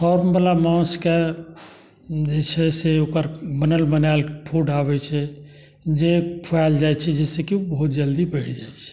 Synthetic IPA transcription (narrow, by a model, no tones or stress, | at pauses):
pʰɔɾmbəlamɔ̃ske | d͡ʒet͡ʃʰɛseokəɾbənəlbənalpʰuɖabɛt͡ʃʰɛ | d͡ʒepʰald͡ʒajt͡ʃʰɛd͡ʒɛsekibəɦut̪d͡ʒəld̪ibəɪʈʰd͡ʒajt͡ʃʰɛ̥